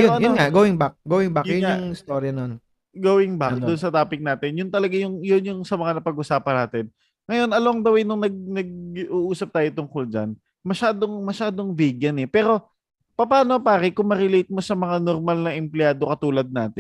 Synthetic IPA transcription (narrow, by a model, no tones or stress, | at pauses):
joɐjʊŋaɡoːwɪŋbak̚ɡowɪŋbakjʊjʊnaŋɪst̪oɾjɐnon | ɡowɪŋbak̚d̪ʊnsɐt̪aːpɪk̚naːt̪ɪnjʊnt̪ɐlɐɡajʊŋjʊnjʊŋsɐmɐŋanɐpɐɡʔʊsaːpɐnaːt̪ɪn | ŋɐjo̞nɐlowɐŋd̪ɐwɪnʊŋnɐɡ̚nɐɡ̚ʔuʔuːsɐp̚t̪aːjot̪ʊŋkold͡ʒɐ̰n | mɐʃaːd̪o̞ŋmɐʃaːd̪o̞ŋviːɡjɐnɛpɛːɾo̞ | pɐpaːnopaːɾɪkʊŋmɐɾɪlejt̪̚mo̞sɐmɐŋanoɾmalnɐʔɛmplɪjaːd̪okɐt̪uːlɐd̪̚naːt̪ɪn